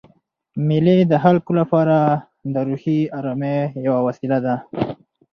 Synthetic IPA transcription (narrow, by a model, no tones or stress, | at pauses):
miled̪əɦalkolapɑɾa | d̪əɾuhiaɾɑmejawawasilad̪a